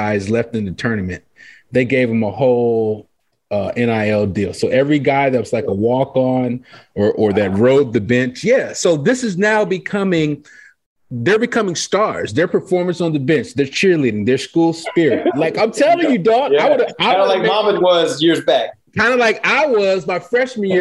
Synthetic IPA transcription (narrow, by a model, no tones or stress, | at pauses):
aɪzlɛftɨ̃nðɨtʰɜ˞nɨmɨ̰̃n | ðeɪɡeɪvɨ̃məhoʊlˠ | ʌʔɛ̃ñaɪɛlˠdilˠsoʊʔɛvɹiɡaɪðɨt̚wʌz̥laɪkəwɔkn̩ə˞ʔə˞ðɨt̚ɹoʊd̪̚ðɨbɛ̃nt͡ʃjæsoʊðɪsɨznaʊbɨkʰʌmɪ̃ŋ | ðə˞bɨkʰʌmɪ̃ŋstɑɹzðə˞pʰə˞fɔɹmɨ̃nsn̩ðəbɛ̃nt͡ʃðə˞t͡ʃʰɪɹliɾɪ̃ŋðə˞skulˠspɪɹɪt̚laɪkãɪ̃mtʰɛlˠjɪ̃jɨdɔtaɪwʌɾaɪlaɪk̚mɑmɨ̃nwʌzjɪɹzbæk̚kʰãɪ̃ndəlaɪkaɪwʌzmaɪfɹɛʃmi